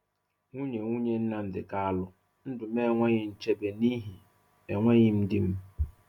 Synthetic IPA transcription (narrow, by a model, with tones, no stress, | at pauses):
ŋu˦ɲe˨ŋu˦ɲe˦n̩˦na˦n̩˨dɪ̰˨ka˦a˦lʊ˦ | n̩˦dʊ˨me˦˨ŋʷe˦ɲɪ˨n̩˦t͡ʃe˦be˨ni˦ɦi˨ | e˨ŋʷe˦ɲɪ˦m̩˦dɪ˦m̩˦